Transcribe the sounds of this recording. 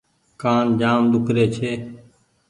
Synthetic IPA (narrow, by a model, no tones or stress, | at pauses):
kaːnd͡ʒaːmd̪ʊkʰɾeːt͡ʃʰeː